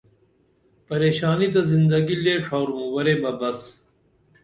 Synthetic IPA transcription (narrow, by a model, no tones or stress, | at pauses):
pɐɾeːɕaːnit̪̬ɐzind̪ɐɡileːʈ͡ʂʰaːɾumũwɐɾeːbɐbɐs